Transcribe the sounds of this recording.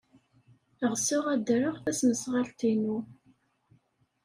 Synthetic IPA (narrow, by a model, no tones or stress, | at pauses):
əʁsʊʁæd̪ɾəʁθæsməsʁalt̪inu